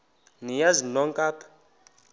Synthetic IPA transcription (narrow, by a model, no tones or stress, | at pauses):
nijazinɔŋkʼaːpʰḁ